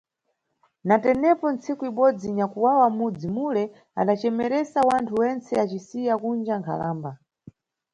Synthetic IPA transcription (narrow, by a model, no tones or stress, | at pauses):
natɛnɛpɔnt͡sikuiɓɔd͡ziɲakuwawamud͡zimulɛ | a̰ɗat͡ʃɛmɛɾɛsawantʰuwɛnt͡sɛat͡ʃisijakund͡ʒaŋkʰa̰la̰ːmba